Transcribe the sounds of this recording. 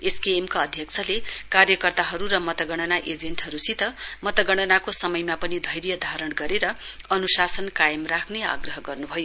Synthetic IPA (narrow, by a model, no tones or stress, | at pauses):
eskeːmkaʌd̪ʱjʌkt͡sʰʌlekarjʌkʌrt̪aɦʌɾuɾʌmʌt̪ʌɡʌɽ̃ʌnaʔed͡zenʈɦʌɾusit̪ʌmʌt̪ʌɡʌɽ̃ʌnakosʌmʌjmapʌnid̪ʱʌjɾjʌd̪ʱaɾʌɽɡʌɾeɾʌ | ʌnusasʌnkajʌmrakʰnea̰ɡrʌɦʌɡʌrnubʱʌjo